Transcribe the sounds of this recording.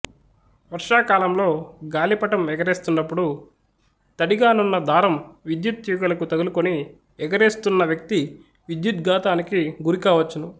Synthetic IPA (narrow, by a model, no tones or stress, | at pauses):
ʋɐɾʂaːkaːlɐmlo̞ːɡaːlipɐʈɐmɛɡɐɾeːst̪unːɐpːuɽu | t̪ɐɽiɡaːnunːɐd̪ʱaːɾɐmʋid̪jut̪juːɡɐlɐkut̪ɐɡulukoni | ɛɡɐɾeːst̪unːɐʋjɐk̚t̪i | ʋid̪jut̪ɡaːt̪aːnikiɡuɾikaːʋɐt͡ʃːunu